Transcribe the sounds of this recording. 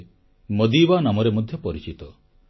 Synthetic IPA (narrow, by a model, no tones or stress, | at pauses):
mod̪ibanamɔɾemɔd̪ʱjɔpɔɾit͡ʃit̪ɔ